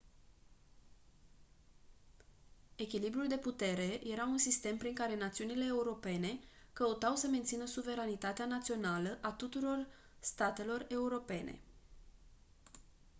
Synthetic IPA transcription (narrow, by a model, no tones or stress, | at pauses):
e̞kʲilibɾuld̪e̞put̪e̞ɾe̞je̞ɾaunsist̪e̞mpɾiŋkaɾe̞nat̪siunile̞ːuɾo̞pe̞ne̞kəut̪awsəme̞nt̪sinəsuve̞ɾanit̪at̪eanat̪sio̞naləʔat̪ut̪uɾo̞r | st̪at̪e̞lo̞re̞uɾo̞pe̞ne̞̰